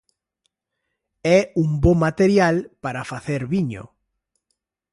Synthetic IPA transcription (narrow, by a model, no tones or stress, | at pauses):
ɛumbomat̪eɾjalpaɾafaθeɾβiɲo̰